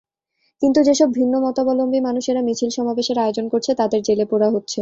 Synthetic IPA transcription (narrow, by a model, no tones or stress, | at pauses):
kint̪ud͡ʑeʃɔb̚bʱinːomɔt̪obɔlombʱimanuʃeɾamit͡ɕʰilʃɔmabeʃeɾaeod͡ʑonkoɾt͡ɕʰet̪ad̪eɾd͡ʑelepoɾaɦotːɕʰe